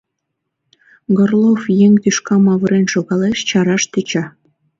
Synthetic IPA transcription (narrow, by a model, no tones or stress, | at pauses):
ɡorlˠofjeŋt̪yʃkɑmɑβɤɾenʃoɣɑleʃt͡ɕɑɾɑʃt̪ət͡ɕɑ